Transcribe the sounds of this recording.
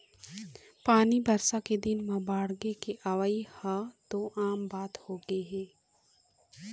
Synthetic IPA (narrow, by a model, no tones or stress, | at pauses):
paːnibɐɾsaked̪ɪnmãbaːɽɡekeʔɐʋaihad̪oːʔaːmbaːt̪hoːɡəeɦɛː